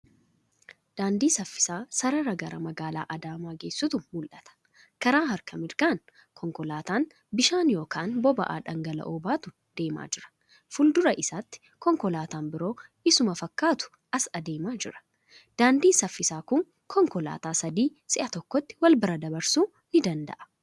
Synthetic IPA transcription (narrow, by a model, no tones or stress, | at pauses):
d̪̥aːnd̪iːsɐfːɪ̥saːsɐɾɐɾɐɡɐɾɐmɐɡaːla̰ːʔɐd̪aːmaːɡeːsːʊt̪ʊmʊlʔɐt̪ɐ̥ | kɐɾaːɦɐɾkʰɐmɪɾkaːn | kʰɔŋkɔlaːt̪aːn | bɪʃaːnjo̞ːkʰaːnbɔbɐ̰ʔa̰ːᶑɐŋɡɐlɐ̰ʔɔːbaːt̪ʊ | d̪̥e̞ːma̰ːd͡ʒɪɾɐ̥ | fʊld̪ʊɾɐʔɪsaːt̪ːɪ̥ | kɔŋkɔlaːt̪aːnbɪɾo̞ːʔɪsʊmɐfɐkːaːt̪ʊ̥ | ʔɐsɐd̪e̞ːmaːd͡ʒɪɾɐ̥ | d̪̥aːnd̪iːnsɐfːɪsaːkʊŋ | kʰɔŋkɔla̰ːt̪aːsɐd̪iːsɪʔɐt̪ɔkːɔt̪ːɪ̥wɐlbɐɾɐd̪ɐbɐɾsuː | nɪd̪ɐnd̪ɐ̰ʔɐ̥